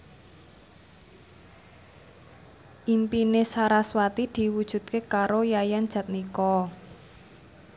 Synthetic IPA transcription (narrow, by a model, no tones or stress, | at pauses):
ʔimpinesaɾaswat̪id̪̥i̤wud̥ʒ̥ṳd̪̚kekaɾojajand̥ʒ̥ä̤t̪̚nikɔ